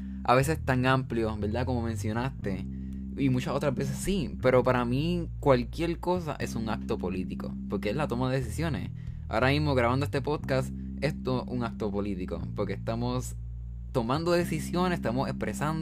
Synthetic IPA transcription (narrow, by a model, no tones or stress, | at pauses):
a̰βe̞se̞st̪aŋampljo̞be̞ɾd̪ako̞mo̞mẽ̞nsjo̞nast̪e̞ | imut͡ʃaso̞t̪ɾazbe̞s̬e̞ssipe̞ɾo̞paɾamikwalkje̞ɾko̞sa̰ʔe̞suŋak̚t̪o̞po̞lit̪iko̞̰po̞ɾke̞eslat̪o̞maðe̞ðesisjo̞ne̞̰s | a̰oɾamizmo̞ɣɾaβand̪oest̪e̞po̞d̪kas | est̪ouŋak̚t̪o̞po̞lit̪iko̞̰po̞ɾkest̪amo̞s | t̪o̞mãnd̪oðe̞sisjo̞nese̥t̪amo̞se̞̰spɾʔe̞sand̪